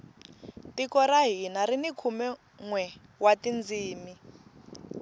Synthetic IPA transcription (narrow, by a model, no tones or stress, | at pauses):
tikɔɾaɦinaɾinikʰumɛ | ŋwɛ | watind͡ziːmi